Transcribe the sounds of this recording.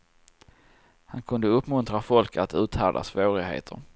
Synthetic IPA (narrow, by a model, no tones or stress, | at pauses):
hankʰɵnd̪əɵpːmɵnt̪ɾafɔlkəat̪ʉ̟ːt̪hæːɖ̪a̰svoːɾɪɡhḛːt̪ʰəɾ